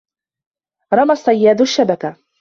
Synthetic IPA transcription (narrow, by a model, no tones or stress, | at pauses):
ɾˤɑmasˤːɑjːaːd̪ʊʃːabaka